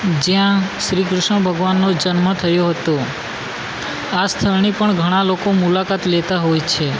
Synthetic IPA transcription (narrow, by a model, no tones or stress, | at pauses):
d͡ʒjãʃɾikɾʊʃɳə̃bʱəɡʋanːod͡ʒənmət̪ʰəjoɦət̪o | ast̪ʰəɾnipəɳɡʱəɽ̃alokomulakat̪let̪aɦojt͡ʃʰe